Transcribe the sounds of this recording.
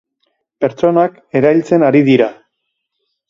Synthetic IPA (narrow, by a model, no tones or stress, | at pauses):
pe̞ɾt͡so̞nak | e̞ɾajlt͡se̞naɾiðiɾa